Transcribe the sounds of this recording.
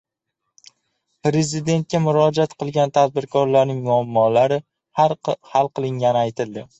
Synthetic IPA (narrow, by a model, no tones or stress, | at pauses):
pɾezɪd̪e̞nt̪̚kʲamʊɾɒd͡ʒat̪qʰɨlˠɡʲant̪ʰad̪̚bɪɾkʰɒɾlaɾnɪŋmʊamːɒlaɾɪ | halˠqʰɨlˠɪŋɡʲanɪajt̪ʰɪlˠd̪ɪ